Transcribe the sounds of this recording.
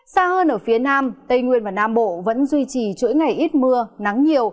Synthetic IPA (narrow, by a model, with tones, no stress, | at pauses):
saː˧həː˧nʔəː˧˩fi˨˦ənaː˧mt̪ə˧jŋwi˧ənvaː˨˩naː˧mɓo̰˧˨və̰˧˥nzwi˧t͡ɕi˨˩t͡ɕṵ˧˥əjŋa˨˩jʔi˦˥t̚mɨ˧əna˨˦ŋɲi˨˩əw